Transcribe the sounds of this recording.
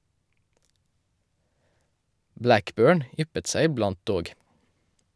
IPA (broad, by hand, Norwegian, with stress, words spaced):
ˈblækˌbøːɳ ˈʏpət ˈsæɪ ɪˈblɑnt ˈdoːɡ